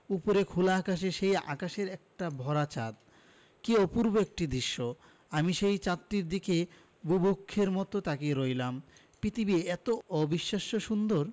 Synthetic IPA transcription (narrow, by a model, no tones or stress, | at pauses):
upoɾekʰulakaʃ̬eʃeja̰kaʃeɾɛk̚ʈabʱɔɾat͡ɕa̰t̪̚ | kiopuɾboek̚ʈid̪ɾiʃːo | amiʃejt͡ɕat̪ːɾiɾd̪ikʰe | bubukʰːeɾmɔt̪ot̪akeɾojlam | pɾit̪ʰibieɛt̪oɔbiʃːaʃoʃund̪oɾ